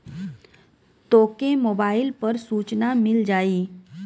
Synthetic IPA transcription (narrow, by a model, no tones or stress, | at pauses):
t̪oːkemoːbaːɪlpɐɾsuːt͡ʃnamɪld͡ʒaːiː